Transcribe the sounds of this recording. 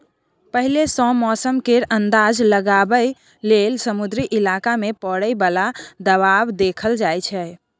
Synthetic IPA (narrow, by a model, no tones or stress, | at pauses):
pəɦilesɔ̃mɔsəmkeɾənd̪ad͡ʒləɡabə | lelsəmud̪ɾiʔilakamepəɽəjbalad̪əβabd̪ekʰəld͡ʒajt͡ʃʰɛ